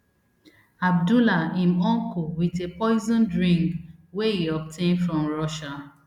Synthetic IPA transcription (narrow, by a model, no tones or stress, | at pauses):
ab̚dulaĩmɔ̃ŋkuwitepɔɪzɔ̃ndɹĩŋkweiɔp̚tʰẽnfɹɔ̃mɹɔʃa